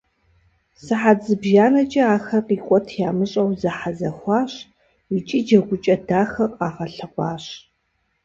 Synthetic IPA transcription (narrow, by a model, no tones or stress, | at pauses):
sɨħad͡zɨbʒaːnɐt͡ʃʼiaːxɐrqiːqʷʼɔtʰjaːmɨɕʼɐwzɐħazɐxʷɑːɕ | wit͡ʃʼid͡ʒɐɡʷʊt͡ʃʼɐdaːxɐqʼaːʁɐɬɨqʷɑːɕ